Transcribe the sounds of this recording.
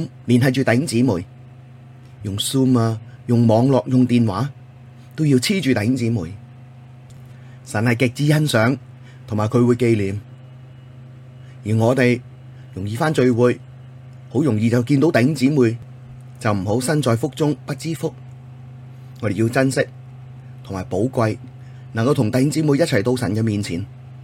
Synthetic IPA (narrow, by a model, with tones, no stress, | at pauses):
mliː˨˩nhɐ˨˧jt͡ʃyː˨t̪ɐ˨jhɪ˥ŋt͡siː˨˥muː˨j | jʊ˨ŋsuː˥maː˧jʊ˨ŋmɔː˨˧ŋlɔː˨k̚jʊ˨ŋt̪iː˨nwaː˨˥ | t̪o˥wji˧wt͡sʰiː˥t͡ʃyː˨t̪ɐ˨jhɪ˨˥ŋt͡siː˨˥muː˨˩j | sɐ˨˩nhɐ˨jkɪ˨k̚t͡siː˧˥jɐ˥nsœː˨˥ŋ | t̪ʰʊ˨˩ŋmaː˨jkʰɵ˨˧ɥwuː˨˧jke˧jliː˨m | jiː˨˩ŋɔː˨˧t̪e˨j | jʊ˨˩ŋjiː˨˧faː˥nt͡ʃɵ˧ɥwuː˨˧j | ho˨˥wjʊ˨˩ŋjiː˧t͡sɐ˨wkiː˧nt̪o˨˥wt̪ɐ˨jhɪ˥ŋt͡siː˨˥muː˨j | t͡sɐ˨wm̩˨˩ɦo˨˥wsɐ˥nt͡sɔː˨˧jfʊ˥k̚t͡sʊ˥ŋpɐ˥t̚t͡siː˥fʊ˥k̚ | ŋɔː˨˧ɾe˨jiː˧wt͡sɐ˥nsɪ˥k̚ | t̪ʰʊ˨ŋmaː˨˩jpo˨˥wkʷɐ˧j | nɐ˨ŋkɐ˧wt̪ʰʊ˨ŋt̪ɐ˨˧jhɪ˥ŋt͡siː˨˥mu˨jɐ˥t͡sʰɐ˨˩jt̪o˧wsɐ˨˩nkɛː˧miː˨nt͡sʰḭː˨˩n